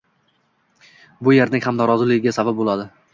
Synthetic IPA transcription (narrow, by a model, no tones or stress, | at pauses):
bʊjeɾnɪŋʲhamnɒɾɒzɪlɪɡʲɪɡʲasabap̚bolad̪ɪ